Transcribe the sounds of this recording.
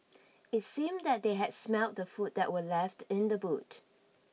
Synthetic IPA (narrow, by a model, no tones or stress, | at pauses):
ɪtsĩmdɛt̚d̪eɦɛdsmɛlˠt̚dəfut̚d̪ɛ̰ʔ̚wəlɛftɪ̃ndəbut